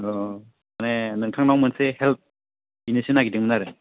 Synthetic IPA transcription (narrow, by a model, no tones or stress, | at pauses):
ɔ | manenɯŋtʰaŋnawmɯnsehelp̚ | inisinaɡidiŋmnaɾɯ